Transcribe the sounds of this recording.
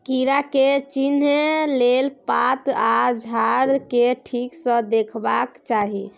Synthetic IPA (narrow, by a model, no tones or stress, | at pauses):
kiɾaket͡ʃinelelpat̪ad͡ʒʱaɾkeʈʰiksə̃d̪ekʰbakt͡ʃaɦi